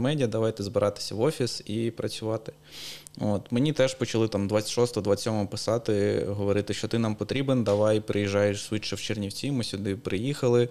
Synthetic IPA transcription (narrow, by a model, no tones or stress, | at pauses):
mɛdʲiɐd̪ɐʋɑjt̪ɛzbɪɾʔɑt̪ɪ̥sʲɐʋɔfʲisipɾɐt͡sʲʊʋɑt̪ɪ̥ | o̰t̪menʲit̪ɛʒpɔt͡ʃɐlˠɪt̪ɑmd̪ʋɑt̪t͡sʲɪt̪ʲʃɔst̪ɔɦɔd̪ʋat͡sʲːɔmɔɔpɪ̥sɑt̪ɪɦɔʋɔɾɪt̪ɪʃt͡ʃɔt̪ɪnɑmpɔt̪ɾʲibend̪ɐʋɑjpɾʔɪjiʒːɑjeʃsʋʲit͡ʃːɐwt͡ʃernʲiwt͡sʲimɨsʲʊd̪ɪpɾɪjixɐlˠɪ